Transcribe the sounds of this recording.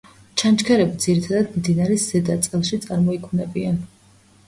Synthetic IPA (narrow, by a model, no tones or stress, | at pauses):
t͡ʃʰant͡ʃkʰɛɾɛbid̪z̥iɾit̪ʰad̪ad̪md̪inaɾɛzɛd̪at̪sʼɛlˠʃit̪sʼaɾmɔikʰmnɛbian